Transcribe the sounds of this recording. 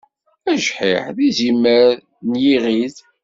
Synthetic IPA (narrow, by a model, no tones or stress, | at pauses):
æʒħḭħðizimːəɾ | njiʁið